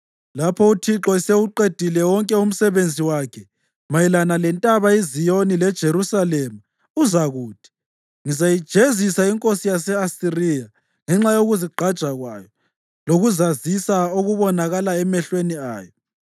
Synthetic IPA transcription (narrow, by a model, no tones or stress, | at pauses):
lapʰɔutʰiǁɔiseuǃed̥ʱilɛwɔŋkʼɛum̩sɛβend͡zʱiwakʰɛ | majilanalɛntʼaβaizijonilɛd̥ʒ̥ʱerusalɛma | uzaɣuːd̥ʰʱi̥ | ŋizajid̥ʒ̥ʱezisaiŋkʼosijasɛasirija | ŋɛŋ͡ǁajoɣuziɡ͡ǃʱad̥ʒ̥ʱaɣwa̰ːjɔ | loɣuzazisaoɣuβɔnaɣalaɛmɛɬwenia̰ːjɔ